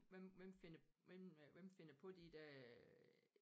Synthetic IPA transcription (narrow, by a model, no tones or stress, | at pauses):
ʋemʋemfe̝nɐʋemʋemfe̝nɐpʰɔ̽d̥id̥æ